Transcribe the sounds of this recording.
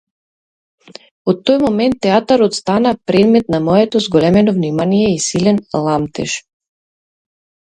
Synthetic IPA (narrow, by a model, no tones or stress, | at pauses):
ot̪ːojmomɛnt̪ːɛat̪aɾot̪st̪anapɾɛd̪mɛt̪̚namɔɛt̪ɔzɡɔlɛmɛnovnimanijɛisilɛnlˠamt̪ɛ̰ʃ